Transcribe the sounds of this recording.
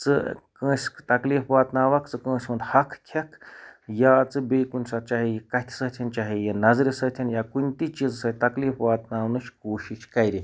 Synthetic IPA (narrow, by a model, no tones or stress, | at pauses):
t͡sɨ̰kə̃ːsʲkt̪ɐkliːfʋaːt̪naːʋɐkt͡sɨkə̃ːsʲmɐnd̪hɐkʰkʲʰɐkʰjaːt͡sɨbeːkunʲsɐt͡ʃaːɦijikɐt̪ʲʰsəːt̪ʰɐnt͡ʃaːɦijinɐzɾʲisɐːt̪ʰinjaːkunʲt̪it͡ʃizsɐt̪ɐkliːfʋaːt̪naːwnɨʃkoːʃiʃkɐjɾi